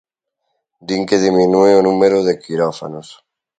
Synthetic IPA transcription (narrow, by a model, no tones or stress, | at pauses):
d̪iŋkeðiminueonũmeɾoðekiɾofa̰nos